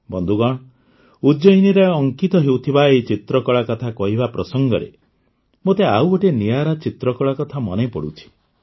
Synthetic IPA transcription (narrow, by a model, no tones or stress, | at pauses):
bɔnd̪ʱuɡɔɽ̃ | ud͡ʒɔjniɾeɔŋkit̪ɔɦewt̪ʰibaet͡ʃit̪ɾɔkɔɭakɔt̪ʰakɔɦibapɾɔsɔŋɡɔɾḛ | mot̪eawoʈenijaɾat͡ʃit̪ɾɔkɔɭakɔt̪ʰamɔ̰nepɔɽut͡ʃʰi̥